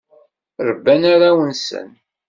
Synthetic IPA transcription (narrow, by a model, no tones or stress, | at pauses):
ɾəbːænaɾawənsə̰n